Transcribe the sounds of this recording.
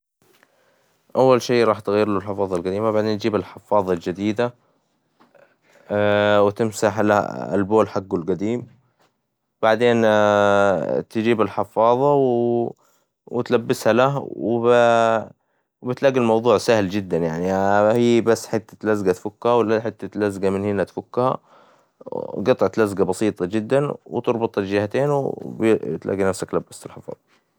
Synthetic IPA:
ʔawːalʃeːɾˤɑːħt̪ɣajːɪɾlulħɪfɑːðˤɑlɡad̪iːmabaʕd̪eːnd͡ʒiːbɪlħɪfːɑːðˤɑld͡ʒad̪iːd̪a | wɪt̪ɪmsaħlaa̰lboːlħaɡːʊlɡad̪iːm | b̥aʕd̪eːn | t̪ɪd͡ʒiːbɪlħɪfɑːðˤɑw | wɪt̪labːɪshalahwɪb | wbɪt̪laːɡilmɑwðˤuːʕsahld͡ʒɪd̪ːanjaʕnihiːbasːħɪt̪ːḁlazɡat̪fʊkːhawlaħɪt̪ːalazɡamɪnhɪnːat̪fʊkːha̰ | ɡɑt̪ˤːʕt̪lazɡabɑsiːt̪ˤɑd͡ʒɪd̪ːanwɪt̪ɨɾˤbɨt̪ˤɪld͡ʒɪhat̪eːnwbt̪lʔa̰ːɡinafsakt̪labːasɪlħɪfɑ̰ːðˤɑ

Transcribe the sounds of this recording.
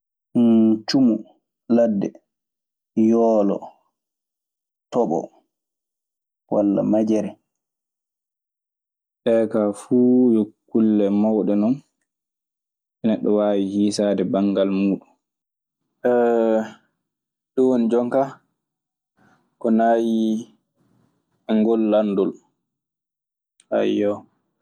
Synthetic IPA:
t͡ʃumu | ladːɛ̰ | jɔːlɔ̰ | tɔɓɔ̰ | walːa̰mad͡ʒɛɾɛ | ɗɛːkafuːjokːulːɛmawɗɛnɔn | ʔɛnɛɗːɔwaːwihiːsaːdɛbaŋɡalmuːɗun | ʔɛ | ɗɔwɔnd͡ʒɔŋka | kɔnaːji | ɛŋɡɔlːandɔl | ʔa̰jːɔ

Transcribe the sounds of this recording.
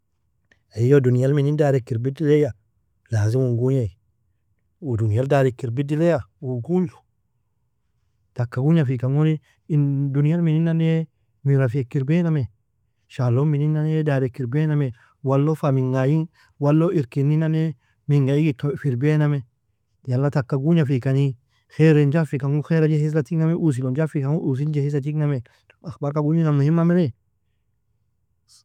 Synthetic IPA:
aijodunijalminindaːɾekːiɾbidileja | laziwuŋɡuɲai | udunijaldaɾikiɾbidilejawuɡuɲd͡ʒu | takːaɡuɲafikaŋoni | ndunijalmininːane | miɾafiekːiɾbename | ʃalomininːanedaɾekːiɾbename | walːofamiŋɡajin | walːoiɾkinːinane | miŋɡajiɡitofiɾbename | jalːatakːaɡuɲafikani | xeɾend͡ʒafikaŋuxeɾad͡ʒehis̬latiknameʔus̬ilod͡ʒafikaŋuʔus̬ind͡ʒehis̬at̬ikname | axbaɾkaɡuɲinamnuhimːamene

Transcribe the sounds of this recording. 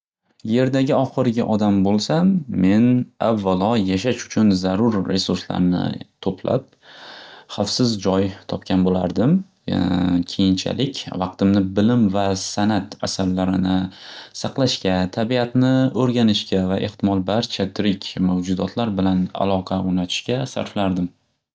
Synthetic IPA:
je̞ɾd̪aɡʲɪɒχɨɾɡʲaʔɒd̪ambolˠsame̞na̰vːalɒjaʃaʃʊ̥t͡ʃʰʊnzaɾʊɾːe̞suɾsla̰ɾnɪ̰t̪ʰopʰla̰p̚ | χafsɪzd͡ʒɒjt̪ʰɒpkʲʰanbola̰ɾd̪ɪm | kʲʰe̞jɪnt͡ʃʰa̰lɪkʲvɑqt̪ɪmnɪbɪlɪmvasanat̪a̰saɾːaɾɪnɪsɑqlˠaʃkʲat̪ʰabiat̪nɪɵɾɡʲanɪʃkʲavaʔe̞ht̪ʰɪmɒlˠbaɾt͡ʃʰat̪ʰɪɾɪkʲmawd͡ʒʊd̪ɒt̪ʰlaɾbɪlana̰lˠɒqʰɑʊnat̪ʰɪ̥ʃkʲasa̰ɾflaɾd̪ɪm

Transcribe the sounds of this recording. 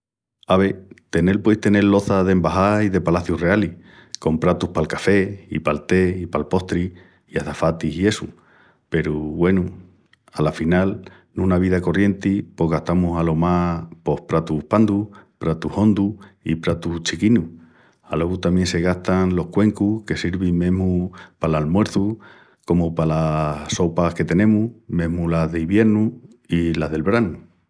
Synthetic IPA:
aβ̞e̞t̪e̞ne̞lpwe̞jht̪e̞ne̞llo̞θað̞e̞mbaɦaiðe̞palaθjure̞ali | ko̞mpɾat̪uhpalkafe̞ipalt̪e̞ipalpo̞ht̪ɾi | iaθafat̪iɦie̞su | pe̞ɾuβwe̞nu | alafinal | nũnaβ̞iðako̞rje̞nt̪ipo̞ɦɣaht̪amusalo̞mapo̞hpɾat̪uhpand̪upɾat̪uho̞nd̪uḭpɾat̪ut͡ʃikinu | alo̞ɣut̪amje̞nse̞ɣ̞aht̪aŋlo̞hkwe̞ŋkuke̞siɾβimẽ̞ɦmupalalmwe̞ɾθu | ko̞mupalaso̞pahke̞t̪e̞nẽ̞muhmẽ̞ɦmulaɦðeiβje̞ɾnu | ilaɦðe̞lβɾanu

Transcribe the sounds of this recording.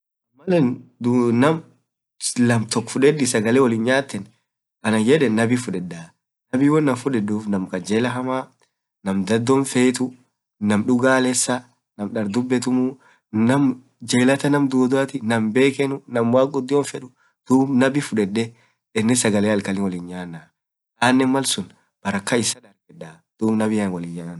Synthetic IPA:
mɐlɛnd̪nɐm | nɐmt̪ɔkːfʊᶑɛdɪsɐɡɐleːwɔlɪnɲaːt̪ːɛn | ʔɐnɐjɛᶑɛnːɐbifʊᶑɛdːaː | nɐbiːwɔnːɐfʊᶑɛdːuːfnɐmkɐd͡ʒeːlɐɦɐmaː | nɐmd̪ɐd̪ːɔnfeːt̪ʊ | nɐmᶑʊɡaːlɛsːɐ | nɐmᶑɐɾd̪ʊbːɛt̪ʊmu | nɐm | d͡ʒeːlɐt̪ɐnɐmd̪uːd̪ʊɐt̪ɪnɐmbe̞ːkɛnʊnɐmwaːkʼʊd̪ːɪɔnfɛᶑʊ | d̪̥uːbnɐbifʊᶑɛdːɛ | ɪnːɪsɐɡɐleːɐlkɐlɪwɔlɪɲjaːnːaː | ʔaːnːɛnmɐlsʊn | b̥ɐɾɐkːɐɪsɐᶑɐɾɡɛᶑa | d̪̥uːbnɐbɪɐnwɔlɪɲjaːn

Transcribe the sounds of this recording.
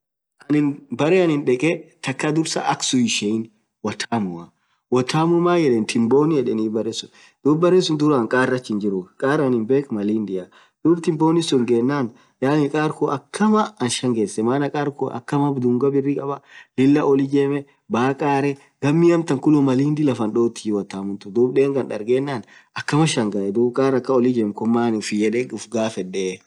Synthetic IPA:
ʔɐnɪnbɐɾɛɐnɪnᶑɛkʼɛt̪ɐkːɐd̪ʊɾsa̰ʔɐksʊɪʃɛn | wɐt̪ʰaːmʊɐ | wɐt̪ʰaːmʊmaːjɛleːnt̪ʰɪmboːnɪjɛᶑɛniːbɐɾesʊ | d̪̥uːbbɐɾesʊnd̪ʊɾaːŋkʼaːɾːɐt͡ʃːɪnd͡ʒɪɾʊkʼaːɾɐnɪmbeːkmɐliːnd̪ɪja | d̪̥uːbt̪ɪmboːnɪsʊŋɡeːnːaːn | jaːnɪkʼaːɾkɔʔɐkʰːɐmɐɐnʃɐŋɡeːsːɛmaːnɐkʼaːɾkɔʔɐ̰kːɐmɐbd̪ʊŋɡɐbɪrːɪkʼɐbɐlɪlːɐʔɔlɪd͡ʒeːmɛ | baːkʼaːɾɛ | ɡ̥ɐmːiɐmt̪ɐŋkʊlʊmɐliːnd̪ɪlɐfɐnɗoːt̪ːɪwɐt̪ːaːmʊnt̪ʊd̪uːbɗeːŋɡɐnᶑɐ̰ɾɡeːnːaːnɐkːɐmɐʃɐŋɡɐʔɛd̪uːbkʼaːɾɐkːɐɔlɪd͡ʒeːmkɔmːaːnɪfɪjɛᶑɛʊfɡaːfɛᶑe

